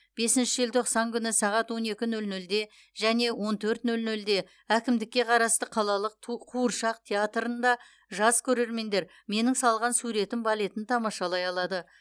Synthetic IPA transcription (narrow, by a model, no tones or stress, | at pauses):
b̥e̞sɪnʃɪʒɪlt̪ʰo̞qsɑŋkʲʰʏnɪsɑʁɑt̪wo̞ne̞kʲɪnɵlnɵld̪e̞ | ʒæne̞wʔo̞nt̪ʰɵɾt̪nɵlnɵld̪e̞ | ækʲɪmd̪ɪkʲːe̞qʰɑɾɑst̪əqʰɑlˠɑlˠəq̚ʰqʰuəɾʃɑqt̪ʲʰeat̪ɾənd̪ɑ | ʒɑz̥kʲʰɵɾe̞ɾme̞nd̪e̞ɾ | me̞nɪŋsɑlˠʁɑnsuɾe̞t̪ɪmbɑle̞t̪ɪnt̪ʰɑmɑʃɑlˠɑjɑlˠɑd̪ə